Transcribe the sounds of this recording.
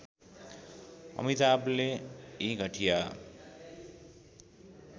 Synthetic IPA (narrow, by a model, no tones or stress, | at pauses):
ʌ̰mit̪ableiɡʱʌʈʰija